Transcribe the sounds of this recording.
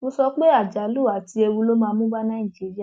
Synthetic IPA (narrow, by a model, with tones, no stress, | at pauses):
mõ˧sɔ˧k͡pe˦a˦˨d͡ʒa˨˦lu˦˨a˨ti˧e˧wu˧lo˦mãː˧mũ˦ba˦nã˦˨ĩ˨d͡ʒi˨˦ɾi˦a˦˨